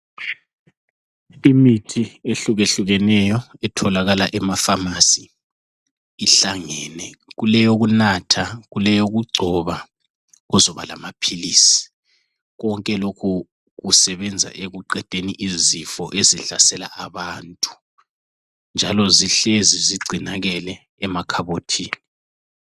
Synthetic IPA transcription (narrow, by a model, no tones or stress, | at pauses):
imitʰieɬuɣeɬuɣɛnɛjɔɛtʰɔlaɣalaʔɛmafamasi | ɬaŋɛnɛɣulɛjoɣunatʰaɣulɛjoɣuɡ͡ǀʱɔβa | ɔzɔβa̰la̰mapʰiliːsi̥ | ɣɔŋkʼɛlokʰu | ɣusɛβɛnd͡zʱa̰ʔeɣuǃɛd̥ʱeniʔizifɔ̰ʔeziɬasɛla̰ʔaβaːntʼu̥ | nd͡ʒʱalɔziɬeziziɡ͡ǀʱinaɣɛlɛ | ɛmakʰaβotʰiːni